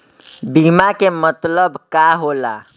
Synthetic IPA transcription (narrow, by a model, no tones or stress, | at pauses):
bimakemət̪ləbkaɦola̰